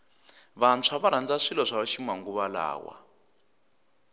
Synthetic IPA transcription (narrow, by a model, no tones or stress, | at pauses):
βant͡sʰaβaɾand͡zaʂilɔʂaʃimaŋɡuβala̰ːwa̰